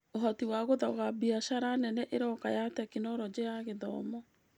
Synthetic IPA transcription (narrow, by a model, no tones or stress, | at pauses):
oɦɔtiwaɣoðɔɣabiaʃaɾanɛnɛʔeɾɔkajatɛkinɔɾɔd͡ʑejaɣeðɔ̰ːmɔ